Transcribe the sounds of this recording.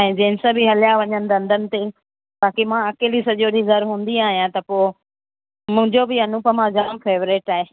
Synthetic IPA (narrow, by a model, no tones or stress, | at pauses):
ɛ̃ːd͡ʑẽːɪnsəbʱɪɦɐljaʋɐɲənɪ̆d̪ɐ̃nd̪ʱənɪ̆t̪e | baːkimãɐkeːlisɐʄoɗizɐɾɦũːnd̪iaːɦijãt̪ɐpoː | mʊ̃ɦɪ̃ɲd͡ʑobʱɪɐnũpɐmãd͡ʑaːmfeːʋɾeːʈaːɦeː